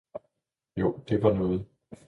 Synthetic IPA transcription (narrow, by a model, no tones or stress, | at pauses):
jo̝d̥e̝ʋɑ̈nɔ̽ːð̞̩ˠ